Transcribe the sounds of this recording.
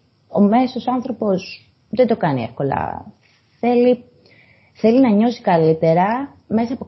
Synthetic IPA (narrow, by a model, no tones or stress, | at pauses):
o̰me̞sosɐnθɾo̞po̞s | ðed̪okɐniḛfko̞lɐ̰ | θe̞li | θe̞linɐɲo̞si̥kɐlit̪e̞ɾɐ | me̞sɐːpo